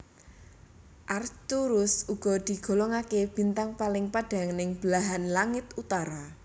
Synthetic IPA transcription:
ʔart̪uɾʊsuɡ̥ɔ̤d̪̥i̤ɡ̥o̤lɔŋakeb̥i̤nt̪aŋpalɪŋpaɖ̥a̤ŋnɪŋb̥laɦanlaŋɪt̪ut̪aɾa

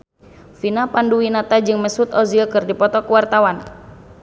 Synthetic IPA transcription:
finapanduwinat̪ad͡ʒɨŋmɛsut̪ɔzikɨrdipɔt̪ɔkəwart̪awan

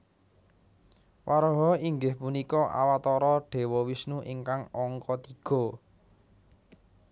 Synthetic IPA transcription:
waɾɔɦɔiŋɡɪhpunikɔʔa̰wat̪ɔɾɔɖ̥e̤wɔwisnuʔiŋkaŋɔŋkɔt̪iɡ̥ɔ̤

